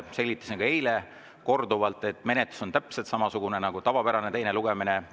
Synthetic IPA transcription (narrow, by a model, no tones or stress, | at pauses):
se̞lʲɡit̪ːˑɑ̥sneɡ̥ejle | ko̞rd̪uvɑlt̪ˑːe̞t̪ːˑme̞net̪lu̥so̞nt̪æpset̪sɑmɑsuɡ̥unenɑɡut̪ɑvɑpæɾɑne̞t̪e̞jne̞luɡ̥emine